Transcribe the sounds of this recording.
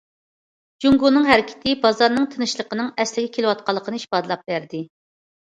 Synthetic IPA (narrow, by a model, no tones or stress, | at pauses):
d͡ʒuŋɡunɨŋɦæɾɪkʲʰɪ̥t̪ʰɪbɑzɑɾnɨŋt̪ʰɨnɨʃlˠəqənɨŋɛslɪɡʲɛkʲʰelɪwɑt̪̚qʰɑlˠːəqʰənɨiʃpɑd̪ɨlˠɑp̚bæɾd̪ɪ